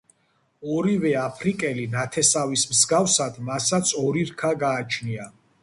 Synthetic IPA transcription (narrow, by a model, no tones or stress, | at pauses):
ɔɾivɛapʰɾikʼɛlinat̪ʰɛsavismzɡafsad̪masat̪sʰɔɾiɾkʰaɡaːt͡ʃʰnia